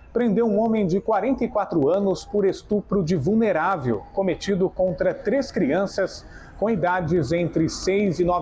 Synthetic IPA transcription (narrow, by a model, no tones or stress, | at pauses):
pɾẽnd̪ewũõmẽj̃d͡ʒɪkwaɾẽnt̪ɐikwat̪ɾʊɐ̃nʊspʊɾest̪upɾʊd͡ʒɪvulneɾavewkomet͡ʃid̪ʊkõnt̪ɾɐt̪ɾeskɾiɐ̃sɐs | kõid̪ad͡ʒɪzẽnt̪ɾɪsejzɪnɔ